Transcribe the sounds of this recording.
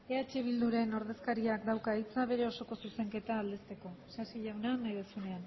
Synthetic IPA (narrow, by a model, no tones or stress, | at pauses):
e̞at͡ʃeβ̞ild̪uɾe̞no̞ɾð̞e̞skaɾiakd̪awkait͡saβ̞e̞ɾe̞o̞so̞ko̞suse̞ŋke̞t̪aːld̪est̪e̞ko̞sasiʎawnanaðesune̞an